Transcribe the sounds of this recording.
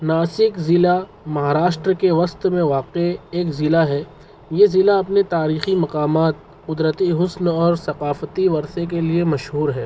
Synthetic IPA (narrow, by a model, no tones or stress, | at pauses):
naːsɪkzɪla | mɐɦaːɾaːʃʈɾəkeʋɐst̪mẽʋaːqeeːkzɪlaɦɛː | jezɪlaɐpnet̪aːɾiːximɐqaːmaːt̪̚ | qʊd̪ɾət̪iɦʊsnɔːɾsɐqaːfət̪iʋɐɾsek̬eliemɐʃɦuːɾɦɛː